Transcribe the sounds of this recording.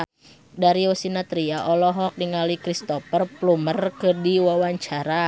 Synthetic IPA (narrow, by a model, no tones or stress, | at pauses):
daɾiosinat̪ɾiaʔɔlɔɦɔk̚niŋaluikɾist̪ɔpərplumərkɨdiwawaɲt͡ʃaɾa